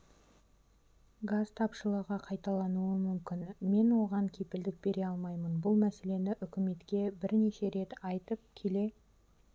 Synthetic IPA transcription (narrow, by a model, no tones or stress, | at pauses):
ɡazt̪ʰɑpʃəlˠəʁɑqʰɑjt̪ɑlˠɑnuəmʏmkʲɪnme̞nwo̞ʁɑŋkʲʰe̞pɪld̪ɪk̚be̞ɾeɑlˠmɑjmənbʊlˠmæse̞le̞nɪʔʏkʲɪme̞t̪kʲe̞bɪɾne̞ʃe̞ɾe̞t̪ɑjt̪əp̚kʲʰe̞le̞